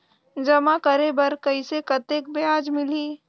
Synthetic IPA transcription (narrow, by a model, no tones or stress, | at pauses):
d͡ʒɐmakɐɾebɐɾkɐisekɐt̪eːk̚beaːd͡ʒmɪliː